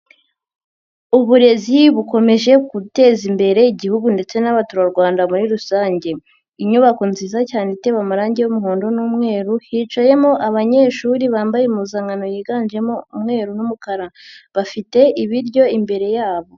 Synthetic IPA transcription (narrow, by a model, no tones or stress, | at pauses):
uβuɾe̞ziβuko̞me̞ʒe̞kute̞ːzimbe̞ɾe̞iɟihuɡunde̞t͡se̞naβatuɾaɾɡwaːndamuɾiɾusaːɲɟe̞ | iɲuβakonziːzacaːnete̞ːβamuɾaːɲɟe̞jumuɦoːndo̞nuːmŋe̞ːɾuhiːt͡ʃaje̞moʔaβaɲe̞ːʃuːɾiβaːmbajemuzaːŋɡano̞jiːɡaːnd͡ʒe̞moumŋe̞ːɾunumukaɾaβafite̞iβiɾɟo̞imbe̞ɾe̞jaːβo̞